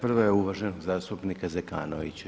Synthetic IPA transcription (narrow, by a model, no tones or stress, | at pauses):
pr̩ʋojeuʋaʒenoɡzaːst̪upnikazeka̰ːno̰ʋḭt͡ɕ